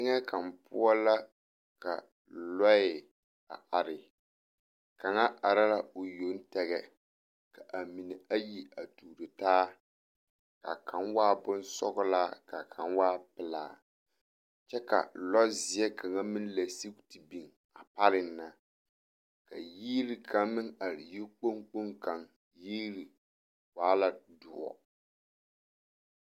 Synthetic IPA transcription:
ŋɛ˦ka˨m˨pʊ̰˦a˦la˦ | ka̰˨ | lɔ˦ɪ˨ | a̰˨ʔa˨ɾɪ˨ | ka˨ŋa˦ʔa˨ɾa˦la˦o˨jo˨˦n̩˦tɛ˨ɣɛ˨ | ka˨ʔa˨mi˨nɪ˨a˦ji˦a˨tuː˨ɾɨ˨taː˦ | ka̰˨kʰa˨˦nwaː˦bʊ˦n˦sɔ̰˦ɣʊ˦laː˦ka˨kʰa˨nwaː˦pɪ˨la̰ː˨ | t͡ʃɛ˦ka̰˨lɔ˦zɪ˨ɛ˦kʰa˨ŋa˦mɨ˦n˦la˨si˦kti˨bi˨ŋ | a˨pa˦ɾɪ˨nː˦a˦ | ka˨jiː˦ɾi˨kʰa˦mmɪ˦ŋa˨ɾji˦k͡po˦ŋk͡po˦ŋka˨ŋ | jiː˦ɾi˨ | waː˦la˦dʊ˨ɔ̰˨

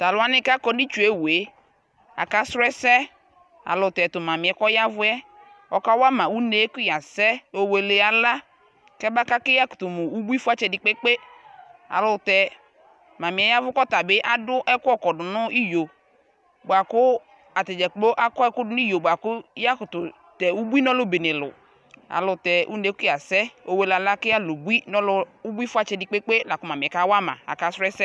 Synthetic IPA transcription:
ta˨lʊ˦a˦nɪ̃˦ka˦kɔ˦ni˦t͡ʃu˨e˦we˨˦ | a̰˨ka˦sɾʊ˦ɛ˦sɛ˦ | a̰˨lʊ˨tɛ˨tʊ˨mã˨mɪ˨ɛ˨˦kɔ˦ja˦vʊ˦ɛ˦ | ɔ˨ka˦wa˦mã˨wu˦ne˦kʊ˦ja˨sɛ˦o˨we˨le˨a˨la˦ | kɛ˦ba˦ka˦kɪ˦ja˦kʊ̥˨tʊ˨mʊ˨u˦bu˦i˦fʊ˦a˦t͡ʃɛ˨dɪ˨k͡pe˦k͡pe˦ | a̰˨lʊ˨tɛ˨ | ma˨mi˨ɛ˨˦ja˦vʊ˦kɔ˦ta˨bɪ˦ʔa˦dʊ˦ʔɛ˦kʊ˦ɔ˦kɔ˨dʊ˨nʊ˦i˦jo˨ | ba˨kʊ˦ | a˨t̪ɛ˨d͡ʒɛ˨˦k͡po˦ʔa˦kɔ˦ɛ˦kʊ˦dʊ˦ni˦jo˨bʷo˨a˨kʊ˦ja˦kʊ˨tʊ˨ | tɛ˨u˦bu˦i˦nɔ˦lʊ˦be˨nɪ˨lʊ̰˨ | a̰˨lʊ˨tɛ˨ʔu˦ne˦ki˦a˨sɛ˦o˦we˦la˨la˦kɪ˦a˦˨lʊ˨bu˦i˦nɔ˦lʊ˦u˦bu˦i˦fʊ˦a˦t͡ʃɛ˨dɪ˨k͡pe˦k͡pe˦la˨kʊ˦ma˨mi˨ɛ˨ka˦wa˦mã̰˨a̰˨ka˨˦sɾɛ˦sɛ˦

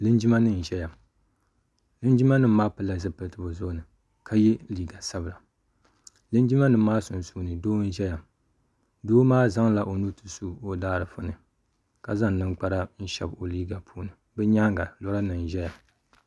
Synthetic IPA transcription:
lɨ˦nd͡ʒi˦ma˦nɨ˦n̩˨ʒɛ˦ja˨ | lɨ˦nd͡ʒi˦ma˦nɨ˦m̩˦maː˦pɨ˦lːa˨zɨ˦pɨ˨˦tɨ˦bo˨zo˦nɨ˨ | kʰa˦jɛ˦liː˦ɡa˨sa˦bɨ˨la˨ | lɨ˦nd͡ʒi˦ma˦nɨ˨˦maː˦sʊ˨n˨su˦nɨ˨doː˦n̩˦ʒɛ˦ja˨ | doː˦maː˦za˦ŋla˨ʔo˨nu˦tɨ˨su˦˨o˦daː˦ɾɨ˨fʊ˦nɨ˨ | ka˨za˦ŋnɨ˦ŋk͡pa˦ɾa˦n̩˦ʃɛ̰˨bo˨liː˦ɡa˨pʰuː˦nɨ˨ | bɨ˦ɲaː˦ŋɡa˨lɔ˦la˦nɨ˨n̩˨ʒɛ˦ja˨

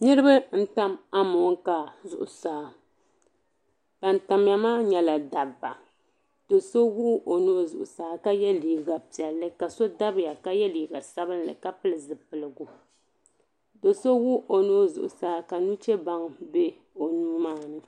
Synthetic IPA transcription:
nɨ˦ɾɨ˦bɨ˦n̩˦ta˦ma˦mʊ˨˦ŋka˨zʊ̰˨ʔʊ˨saː˨˦ | b̥a˨nta˨m˦ja˨maː˦ɲɛ˦la˨da˨ba̰˨ | d̥o˨so˦wu˦ʔo˨nuː˦zʊ̰˨ʔʊ˨saː˨˦ka˦jɛ˦liː˨ɡa˨pi˨ɛ˨lːɨ˦ka˨so˦da˦bɪ˨ja˨ka˦jɛ˦liː˨ɡa˨sa˦bɨ˦n˦lɨ̰˨ka˦pɨ˦lɨ˨zɨ˨pɨ˨lɨ˨ɡʊ˨ | do˨so˦wu˦ʔo˨nuː˦zʊ̰˨ʔʊ˨saː˨˦ka˨nu˦t͡ʃɛ˦ba˦ŋbe˦ | o˨nuː˦maː˦nɨ˦

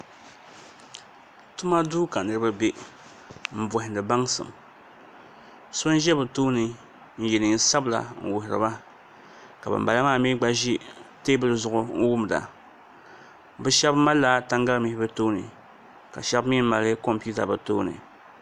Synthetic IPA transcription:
tu˦ma˦duː˦ka˨nɨ˦ɾɨ˦ba˦be˦ | m̩˨bʊ˨hɪ˨ndɨ˨ba˦ŋsɨ̰˨m | so˦n˦ʒɛ˦bɨ˨toː˦nɨ˨ | n̩˦ji˨nɨ˨n˦sa˦bla̰˨ŋ̩˨wʊ˨hɪ˨ɾɨ̰˨ba˦ | ka˨bɨ̰˨m˨ba˨la˦maː˦˨mi˦ɡ͡ba˦ʒi˦teː˦bɨ˦lɨ˦zʊ˨ʔʊ˦ŋ̩˦wu˦m˨da̰˨ | bɨ˦ʃɛ˦bma˦lːa˦ta˦ŋɡa˦lmi˦hɪ˦bɨ˦to˦nɨ̰˨ | ka̰˨ʃɛ˦bmi˦m˦ma˨lɨ˦ko˦mpu˦ta̰˨bɨ˨toː˦nɨ̰˨

